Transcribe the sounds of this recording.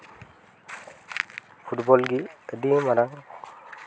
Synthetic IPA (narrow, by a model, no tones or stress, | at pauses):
fʰuʈbɔlɡiəd̪imaɾaŋ